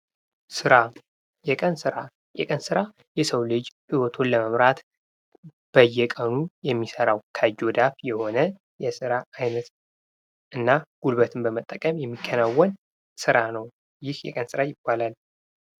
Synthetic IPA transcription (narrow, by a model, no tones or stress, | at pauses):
sɨɾa | jɛkʼənsɨɾa | jɛ̰kʼənsɨɾa | jɛsəwlɨd͡ʒhiwɔt̪ʰo̞nləməmɾat̪ | b̥əjːɛkʼənujɛmːisəɾawkʰəd͡ʒo̞d̪afjɛho̞nə | jɛsɨɾaajnət̪ | ʔɨnːaɡ̥ulbət̪ʰɨmbəmət̪ʼːəkʼəmjɛmːikʰːənawːɔn | sɨɾanəw | jɪhjɛ̰kʼənsɨɾajɪb̥ːalal